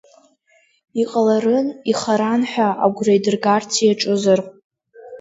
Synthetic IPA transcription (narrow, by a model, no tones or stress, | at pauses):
iqʼalaɾɨniχaɾanħʷᶣaʔa̰ɡʷrajdɨrɡartʰijaʈ͡ʂʼɨzarʼ